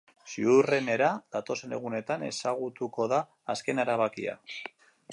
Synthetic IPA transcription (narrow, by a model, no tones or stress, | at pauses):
siure̞ne̞ɾað̥at̪o̞se̞ne̞ɣ̞une̞t̪ane̞̰saɣut̪uko̞ðaː | ske̞naɾaβ̞akḭa̰